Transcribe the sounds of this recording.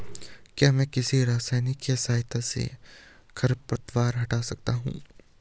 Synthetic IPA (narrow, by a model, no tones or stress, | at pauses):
kjaːmɛ̃ːkɪsiɾaːsaːjnɪkːesaːɦɪt̪ʰasḛkʰɐɾpɾɐt̪waːɾɦɐʈaːsɐk̚t̪aɦṵ̃ː